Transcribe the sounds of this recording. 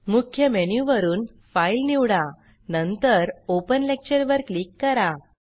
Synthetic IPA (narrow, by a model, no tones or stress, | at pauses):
mukʰːjəmenjuʋəɾuːn | failniwɽa | nənt̪əɾopənlek̚t͡ɕəɾʋəɾklikːəɾa